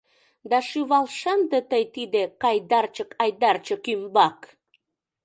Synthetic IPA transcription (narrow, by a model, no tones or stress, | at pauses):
d̪ɑʃyβɑlʃɑnd̪et̪əjt̪id̪ekɑjd̪ɑrt͡ɕəkɑjd̪ɑrt͡ɕəkymbɑk